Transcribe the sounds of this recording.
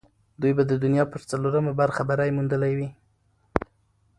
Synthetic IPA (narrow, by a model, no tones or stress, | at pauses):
d̪ujbad̪əd̪ʊnjɑpəɾt͡saloɾəmabaɾxabaɾajmund̪əlajwi